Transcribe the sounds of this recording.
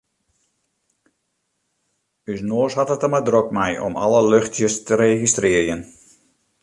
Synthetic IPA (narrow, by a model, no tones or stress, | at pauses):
ysnoːsɦɔtətəmadrokmɛjɔ̰mɑ̰ləløxtjəstəɾeχistrɪərjən